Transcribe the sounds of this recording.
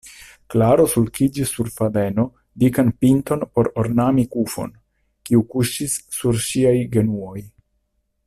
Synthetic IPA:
klaɾo̞sulkid͡ʒisːuɾfade̞no̞ | dikanpinto̞npo̞ɾo̞ɾnamikufo̞̰n | kiukuʃisːuɾʃiajɡe̞nuo̞j

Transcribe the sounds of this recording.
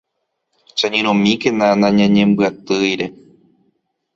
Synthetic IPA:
t͡ʃaɲẽɾ̃õmĩkenãnãɲãɲẽmbɨat̪ɨjɾe̞

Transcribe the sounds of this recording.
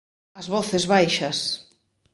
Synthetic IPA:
ɐzβɔθezβajʃɐs

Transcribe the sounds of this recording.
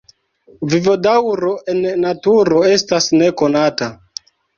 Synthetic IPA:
vivo̞dawɾo̞ʔe̞nːatuɾo̞e̞stasne̞ko̞nata

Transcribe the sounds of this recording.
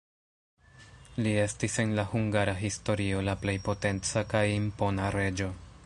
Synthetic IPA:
lie̞stise̞nlahuŋɡaɾaɦisto̞ɾio̞laple̞jpo̞te̞nt͡sakajimpo̞naɾe̞d͡ʒo̞

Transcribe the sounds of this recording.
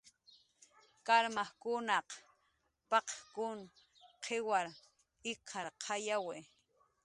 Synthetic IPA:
kaɾmahkʊnɑq | pɑqkʊn | qʰewaɾ | ɪkʰɑɾqʰɑjawe

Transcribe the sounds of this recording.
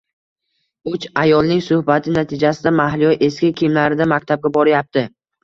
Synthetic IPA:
ʊt͡ʃajɒlˠnɪŋsʊhbat̪ʰɪnat̪ʰɪd͡ʒasɪd̪amahlɪjɒʔe̞skʲɪkʲʰɪmlaɾɪd̪amak̚ʲt̪ʰab̚ɡʲabɒɾɪjap̚t̪ʰɪ

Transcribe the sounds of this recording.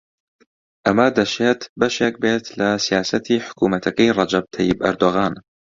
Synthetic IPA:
ʔamaːd̪aʃeːt̪baʃak̚beːt̪lasɪjaːsat̪iħʊ̥kuːmat̪aqiɾˤɑd͡ʒab̚t̪ʰajːɪbʔɑ̰ɾˤd̪ʊɣaːn

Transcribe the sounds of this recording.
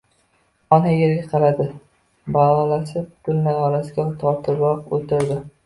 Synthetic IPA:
ɒnajeɾɡʲaqʰɑlad̪ɪ | balɒlasɪtʰʊlnajɒlasɪɡʲat̪ʰɒɾt̪ʰɪɾlɒqot̪ʰɪɾd̪ɪ

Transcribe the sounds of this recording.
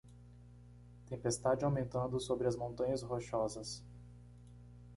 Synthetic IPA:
t̪ẽpest̪ad͡ʒɪawmẽnt̪ɐ̃nd̪ʊsobɾɪɐzmõnt̪ɐ̃ɲɐzɦoʃɔzɐs

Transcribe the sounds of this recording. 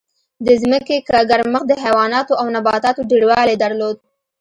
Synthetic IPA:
d̪əzməkekaɡaɾməxd̪əɦawɑnɑt̪oawnabɑt̪ɑt̪oɖeɽwɑled̪aɾlod̪̚

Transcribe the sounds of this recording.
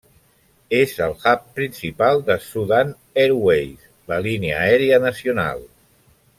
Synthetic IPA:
ezəlˠɣappːɾinsipalˠd̪əsuðan | eɾwejs | ləliniə̰ɛɾeənəsiuna̰lˠ

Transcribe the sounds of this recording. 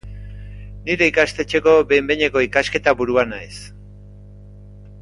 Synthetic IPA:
niɾe̞ikast̪e̞t͡ʃe̞ko̞βe̞jmbeɲe̞ko̞ikaske̞t̪aβuɾuanaes

